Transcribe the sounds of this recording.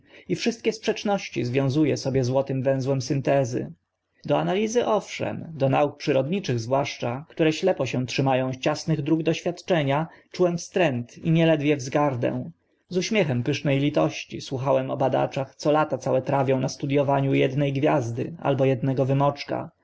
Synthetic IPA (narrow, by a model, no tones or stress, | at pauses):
ifʂɘst̪̚kʲɛspʂɛt͡ʂnɔɕt͡ɕizvʲjɔ̃w̃zujɛsɔbʲjɛzwɔt̪ɘmvɛ̃w̃zwɛmsɘnt̪ɛzɘ̰ | d̪ɔanalʲizɘʔɔfʂɛ̰md̪ɔnauk̚pʂɘɾɔd̪ɲit͡ʂɘɣzvwaʂt͡ʂakt̪uɾɛɕlɛpɔɕɛ̃tʂɘmajɔ̃w̃t͡ɕasnɘɣd̪ɾuɡd̪ɔɕfʲjat̪t͡ʂɛɲat͡ʂuwɛmfst̪ɾɛnt̪iɲɛlɛd̪vʲjɛvzɡaɾd̪ɛ̰̃w̃ | zuɕmʲjɛxɛmpɘʂnɛjlʲit̪ɔɕt͡ɕḭswuxawɛmɔ̰bad̪a̰t͡ʂaxt̪sɔlat̪at̪sawɛt̪ɾavʲjɔ̃w̃nast̪ud̪jɔvaɲujɛd̪nɛjɡvʲjazd̪ɘ̰a̰lbɔjɛd̪̚nɛɡɔvɘmɔt͡ʂka̰